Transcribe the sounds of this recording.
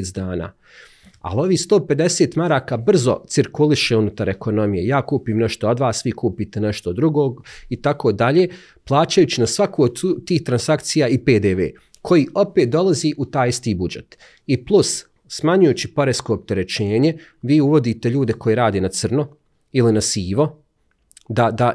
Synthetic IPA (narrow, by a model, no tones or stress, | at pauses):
t̪d̪aːna̰ː | a̰lo̞ʋiːst̪o̞ːpe̞d̪e̞seːt̪maɾaːkaːbr̩zo̞̰t̪siɾkuliʃeunut̪aɾe̞ko̞no̞mije̞jaːkuːpiːmneʃt̪ood̪ʋaːsːʋikuːpiːt̪eneʃt̪od̪ɾuɡoːɡit̪akod̪aʎeː | plˠaːt͡ɕajut͡ɕinasʋakoot̪iːht̪ɾansakt̪sijaːipeːd̪eːʋḛː | kʰo̞jiːʔo̞peːt̪̚d̪o̞lˠaziʔut̪aːjist̪iːbud͡ʒet̪ | iplˠusː | maɲujuːt͡ɕipo̞ɾesko̞ːp̚t̪e̞ɾe̞t͡ɕeːɲe̞ | ʋiːuʋo̞d̪iːt̪e̞ʎuːd̪e̞ko̞jeɾaːd̪eːnat̪sər̩no | ilinasiːʋo̞ | d̪ad̪a